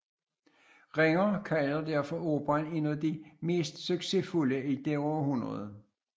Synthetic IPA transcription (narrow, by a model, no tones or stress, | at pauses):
ʁeŋɐkʰæld̥æɐfɒoːb̥ɑne̝næð̩ˠd̥ime̝̰ːsd̥søɡ̥se̝fuləid̥eɒɐɦunʁɐðˠ